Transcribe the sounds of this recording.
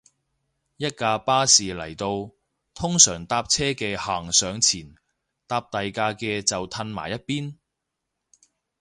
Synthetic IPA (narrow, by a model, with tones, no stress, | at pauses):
jɐ˥t̚kaː˧paː˥siː˨lɐ˨˩jt̪o˧w | t̪ʰʊ˥ŋsœː˨˩ŋt̪aː˧p̚t͡sʰɛː˥kɛː˧haː˨ŋsœː˨˧ŋt͡sʰiː˨˩n | t̪aː˧p̚t̪ɐ˨jkaː˧kɛː˧t͡sɐ˨wt̪ʰɐ˧nma̰ː˨˩jɐ˥t̚piː˥n